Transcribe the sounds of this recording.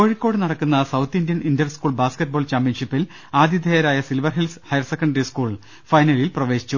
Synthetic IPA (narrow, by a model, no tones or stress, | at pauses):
ko̞ːɻikʲːo̞ːɽɨnɐɽɐkːunːɐsɐwt̪ʰːindijɐnindjɐrskuːɭbaːskeʈ̚boːɭt͡ɕaːmpjɐnʂipːil | aːd̪ʱjid̪ʱejɐɾaːjɐsilʋɐrɦilshɐjɐrsekːɐɳɖɐɾiskuːɭ | fɐjnɐlilprɐʋe̞ːɕi̥t͡ɕːu